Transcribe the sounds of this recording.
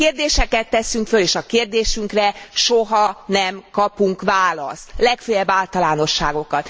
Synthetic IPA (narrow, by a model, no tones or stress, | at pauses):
keːrd̪eːʃɛkɛt̪ːɛsyŋkføleːʃɒkeːrd̪eːʃyŋkrɛʃoɦɒnɛmkɒpuŋkʋaːlɒ̰st̪lɛkføjɛbːaːlt̪ɒlaːno̞ʃːaːɡo̞kɒt̪